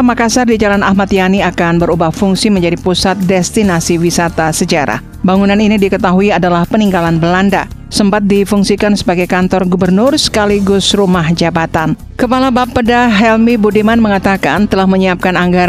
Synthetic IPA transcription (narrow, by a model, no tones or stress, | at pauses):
makasardid͡ʒalanahmat̪janiakanbəɾubahfuŋsiməɲd͡ʒadipusat̪̚dɛst̪inasiwisat̪asəd͡ʒaɾa̰ | baŋunaninidikət̪aɦuiadalahpəniŋɡalanbəlanda̰ | səmpat̪̚difuŋsikansəbaɡajkant̪ɔrɡubərnʊrsə̥kaliɡʊsrumahd͡ʒabat̪an | kəpalabapːədaɦɛlmibudimanməŋat̪akant̪əlahməɲiap̚kanaŋɡaɾ